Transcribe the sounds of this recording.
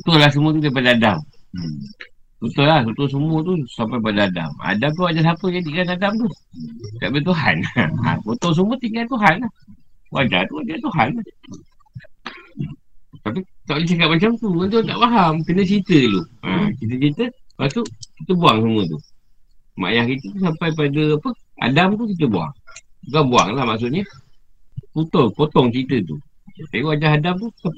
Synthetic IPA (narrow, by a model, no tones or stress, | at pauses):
ut̪ʊhlahs̬əmuət̪̬udajpadaada̰m | sut̪əlaht̪ut̪ohs̬əmət̪usampajp̬adaːda̰ma̰damt̪̬uwad͡ʒas̬apəjadiʔkanadamt̪u | kaʔbət̪uɦa̰na̰kot̪oŋs̬əmət̪iŋaʔt̪uɦanlahwad͡ʒa̰t̪uwad͡ʒat̪uɦanlah | t̪ap̬it̪aʔlet͡ʃakat̪̚mat͡ʃamt̪uwant̪und̪a̰ʔpaɦamkənət͡ʃit̪əluʔa̰t͡ʃit̪ət͡ʃit̪əpasuʔkit̪əbuaŋsəmət̪ṵ | ma̰jahkit̪ət̪us̬ampajp̬adəapəa̰damt̪ukit̪̬əbua̰ŋuɡaŋbua̰ŋlahmaʔs̬uʔɲə | put̪ɔŋpot̪ɔŋt͡ʃit̪ət̪ṵ | t̪apiwad͡ʒaɦadamt̪uk̪a